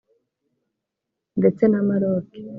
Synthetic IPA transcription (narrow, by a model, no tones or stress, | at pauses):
ndet͡senamaɾoːke̥